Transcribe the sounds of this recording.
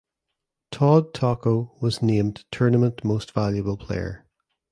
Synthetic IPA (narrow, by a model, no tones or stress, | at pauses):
tʰɔd̚tʰɔkowɒznẽmtʰɜ˞nəmə̃nʔmostv̥aljəbəlˠpʰl̥ḛɪə̰˞